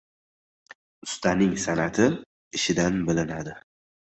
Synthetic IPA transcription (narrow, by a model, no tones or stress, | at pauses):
ʊst̪anɪŋsanat̪ʰɪ | ɪʃɪd̪anbɪlɪnad̪ɪ